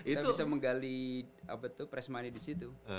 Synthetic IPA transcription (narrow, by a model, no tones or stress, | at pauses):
iauisaməŋɡaliʔa̰pət̪upɾɛsmanidisit̪u